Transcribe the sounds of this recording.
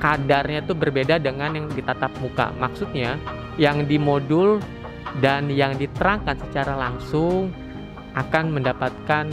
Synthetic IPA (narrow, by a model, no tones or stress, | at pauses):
kadarɲat̪ubərbedadəŋanjaŋdit̪at̪ap̚muka̰maksut̪̚ɲa | jaŋdimodʊl | danjaŋdit̪əɾaŋkansət͡ʃaɾalaŋsʊŋ | ʔakanməndapat̪̚kan